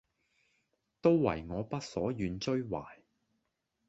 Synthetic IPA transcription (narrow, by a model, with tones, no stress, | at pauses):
t̪o˥wwɐ̰˨˩jŋɔː˨˧pɐ˥t̚sɔː˨˥jyː˨˧nt͡ʃɵ˥ɥwaː˨˩j